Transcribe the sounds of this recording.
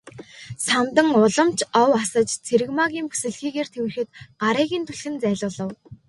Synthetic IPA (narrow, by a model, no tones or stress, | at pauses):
samt̪ə̆ŋʊɮɞ̆mt͡ɕʰɔwasə̆t͡ɕt͡sʰeɾɘ̆ɣmaːɣʲiːmpu̥sɘ̆ɮxiːɣeːrt̪ʰewɘ̆xɘ̆t̪ɢaɾiːɣʲiːnt̪ʰuɮxɘ̆nt͡sæːɮʊːɮə̆w